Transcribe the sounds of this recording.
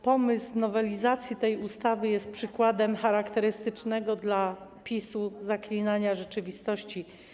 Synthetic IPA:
pɔmɘsnɔvɛlʲizat̪sʲjit̪ɛjust̪avɘjɛst̪̚pʂɘkwad̪ɛmxaɾakt̪ɛɾɘst̪ɘt͡ʂnɛɡɔd̪lapʲisuzaklʲinaɲaʐɛt͡ʂɘvʲist̪ɔɕt͡ɕi

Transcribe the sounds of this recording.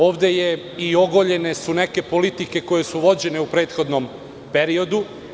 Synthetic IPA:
o̞ːʋd̪e̞je | io̞ɡoʎene̞suneke̞polit̪ike̞ko̞je̞suʋo̞d͡ʑe̞ne̞upɾe̞ːt̪xo̞d̪nom | peɾio̞d̪u

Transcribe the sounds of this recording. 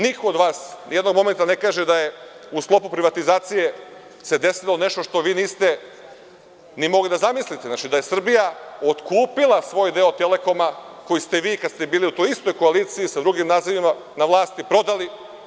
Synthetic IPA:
nikood̪ʋaːsnjed̪noɡmo̞me̞nt̪ane̞kaːʒed̪ajeusklo̞pupɾiʋat̪izaːt̪sije̞ | se̞d̪e̞silo̞ne̞ʃt̪oʃt̪o̞ʋiːniːst̪e | nimo̞ɡlid̪azamislit̪eznat͡ʃid̪aje̞sr̩bijaot̪kuːpilˠasʋo̞ːjd̪e̞ot̪ele̞ko̞mako̞jist̪eʋiːkad̪st̪ebiːliut̪ojist̪o̞jko̞aliːt̪siːsad̪ɾuɡimnaːziʋimanaʋlˠaːst̪ipɾo̞d̪ali

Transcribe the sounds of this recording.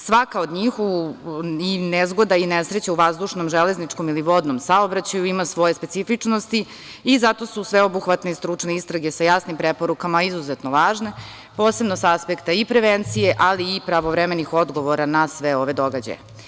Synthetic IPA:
sʋakaod̪ɲiːxu | inezɡo̞d̪ainesɾet͡ɕauʋazd̪uʂnomʒele̞znit͡ʂko̞miliʋo̞d̪nomsaobɾat͡ɕajuimasʋo̞jespetsifit͡ʂnost̪i | izat̪o̞susʋeo̞buxʋat̪neist̪ɾut͡ʂne̞ist̪ɾaɡe̞sajasnimpɾepo̞ɾukamaizuzet̪no̞ʋaːʒne̞ | po̞ːse̞bnosaaspekt̪aipɾeʋent̪sije̞ʔaliːpɾaʋovɾemenixo̞d̪ɡo̞ʋoɾanasʋeo̞ʋe̞d̪o̞ɡad͡ʑa̰je

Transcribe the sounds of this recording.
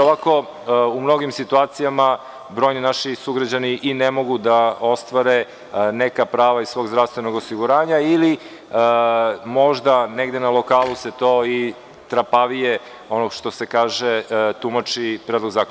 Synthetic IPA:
oʋako̞ | umno̞ɡimsit̪uaːt̪sijama | bɾo̞jninaʃisuɡɾad͡ʑaniʔinemo̞ɡud̪ao̞st̪ʋaɾe | nekapɾaːʋaizsʋo̞ːɡzɾafst̪ʋe̞no̞ɡosiɡuɾaːɲaili | mo̞ʒd̪aneɡd̪enalˠokaːluse̞t̪o̞i | t̪ɾapaʋije | onoʃt̪o̞sekaːʒet̪umat͡ʃipɾed̪lo̞ɡzaːk

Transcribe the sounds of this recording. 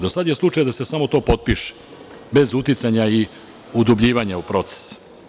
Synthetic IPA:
d̪osad̪je̞slˠut͡ʃajd̪ase̞samo̞t̪o̞ːpo̞t̪̚piʃe̥ | be̞zut̪it̪saɲai | ud̪ubʎiːʋaɲaupɾo̞t̪se̥s

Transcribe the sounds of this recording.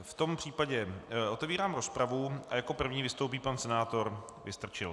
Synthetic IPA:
ft̪o̞mpr̥iːpaɟɛʔo̞t̪ɛviːɾaːmɾo̞spɾavuʔajako̞pr̩vɲiːvɪst̪owp̬iːpansɛnaːt̪o̞ɾ | vɪst̪r̩t͡ʃɪl

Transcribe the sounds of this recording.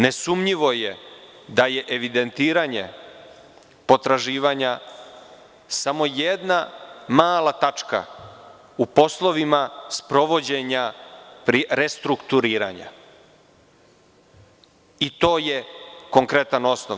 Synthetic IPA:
ne̞sumɲiʋo̞je | d̪aje̞ʔeʋid̪e̞nt̪iːɾaɲe̞̰ | po̞t̪ɾaʒiːʋaɲa | samo̞jed̪namaːlat̪at͡ʃka̰ | upo̞slˠo̞ʋimaspɾo̞ʋo̞d͡ʑe̞ɲapɾiɾe̞st̪ɾukt̪uɾiːɾa̰ɲa̰ | it̪o̞ːjeko̞ŋkɾe̞t̪ano̞snoʋ

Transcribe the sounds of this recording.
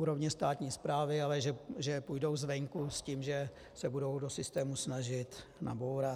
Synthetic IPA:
uːɾo̞vɲɛst̪aːt̪ɲiːspɾaːvɪalɛʒɛʒɛpujdo̞wzvɛŋkusciːmʒɛ | sɛbudo̞wdo̞sɪst̪ɛːmusnaʒɪt̪na̰bowɾa

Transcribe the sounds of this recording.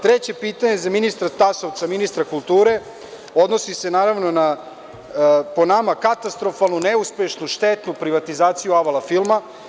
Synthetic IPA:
t̪ɾet͡ɕe̞piːt̪aɲezaminist̪ɾat̪asoʋt̪saminist̪ɾakulˠt̪uːɾe̞ | o̞d̪no̞sise̞naːɾaʋno̞na | po̞namakat̪ast̪ɾo̞falˠnuneuspje̞ʃnuʃt̪et̪nupɾiʋat̪izaːt̪sijuaʋalafilˠma

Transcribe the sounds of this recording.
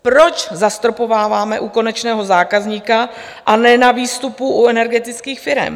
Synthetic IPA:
pɾo̞t͡ʃzast̪ɾopo̞vaːvaːmɛʔuko̞nɛt͡ʃnɛːɦo̞zaːkazɲiːka | ʔanɛnaviːst̪upuʔuɛnɛɾɡɛt̪ɪt͡skiːxfɪɾɛ̰m

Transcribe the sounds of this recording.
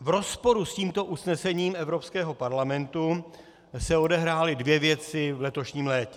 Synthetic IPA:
vɾo̞spo̞ɾusciːmt̪o̞ʔusnɛsɛɲiːmɛvɾo̞pskɛːɦo̞paɾlamɛnt̪u | sɛo̞dɛɦɾaːlɪdvjɛvjɛt͡sɪvlɛt̪oʃɲiːmlɛːcɛ

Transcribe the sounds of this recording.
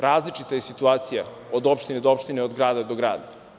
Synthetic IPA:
ɾaːzlit͡ʃit̪aje̞sit̪uaːt̪sija | od̪opʃt̪ined̪oopʃt̪ineo̞d̪ɡɾaːd̪ad̪oɡɾa̰ːd̪a

